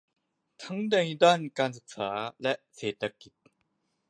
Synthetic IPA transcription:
tʰa˥ŋde˨ŋi˦da˦˨nka˥˧nsʰɯ˨k̚sʰa˨lɛ˦se˨t̪a˦kːit̚

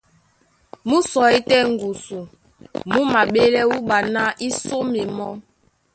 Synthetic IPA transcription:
mu˦sɔ˨i˦tɛ˦˨ŋ˨ɡu˨su˨ | mu˦ma˨ɓe˦lɛ˦wu˦ɓa˨na˦ʔi˦so˦mi˨mɔ˦

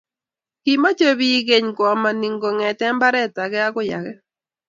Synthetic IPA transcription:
ki˨ma˦t͡ʃo˦βi˦ɡe˦ɲkwɔ˨ma˨ni˨ŋɡo˨ŋɛ˨tɛ˦mba˦ɾɛ˦ta˨ɡɛ˦a˦ɡʊ˦ja̰˨ɡɛ˦

